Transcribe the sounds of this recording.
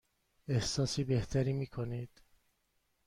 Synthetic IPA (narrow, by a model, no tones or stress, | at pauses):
e̞hsɒːsiːbe̞ht̪ʰæɾiːmiːkʰonid̪̥